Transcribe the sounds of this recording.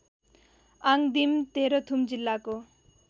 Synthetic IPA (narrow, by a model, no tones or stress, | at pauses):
aŋd̪imt̪eɾʌt̪ʰumd͡ʒilːako